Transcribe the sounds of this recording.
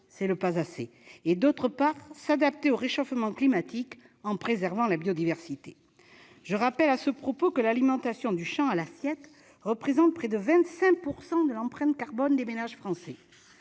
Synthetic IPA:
sɛləpazaseed̪ot̪χəpaʁsad̪ap̚t̪eoʁeʃɔfmɑ̃klimat̪ik | ɑ̃pχezɛʁvɑ̃labjɔd̪ivɛʁsit̪e | ʒ̥əʁapɛlasəpχɔpokəlalimɑ̃t̪asjɔ̃d̪yʃɑ̃alasjɛt̪ | ʁəpχezɑ̃t̪̚pχɛd̪əvɛ̃t̪sɛ̃puʁsɑ̃d̪əlɑ̃pχɛ̃t̪kaʁbɔnd̪emenaʒfχɑ̃sɛ

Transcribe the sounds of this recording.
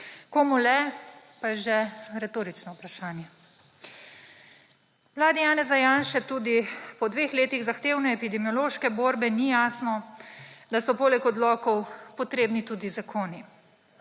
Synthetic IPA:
komulɛ | pajʒɛɾɛt̪oːɾit͡ʃnɔwpɾaʃaːnjɛ | mlaːd̪ijaːnɛzajaːnʃɛt̪uːd̪ipɔd̪ʋeːxleːt̪iɣzaxt̪eːwnɛːpid̪ɛmiɔloːʃkɛboːɾbɛnijaːsnɔ | d̪asɔpoːlɛkɔd̪lɔkɔwpɔt̪ɾeːbnit̪uːd̪izakʰoːni

